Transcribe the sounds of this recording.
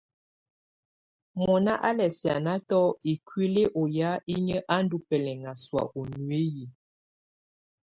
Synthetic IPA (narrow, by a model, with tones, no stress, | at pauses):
mɔ˨na˦ʔa˦lɛ˨sja˨na˦tɔ˦e˨kɥi˦le˦ʔɔ˨ja˦i˦ɲə˦ʔa˦n̩˦du˦pɛ˨lɛ˨ŋa˨swa̰˨ʔo˨nɥe˦ji˨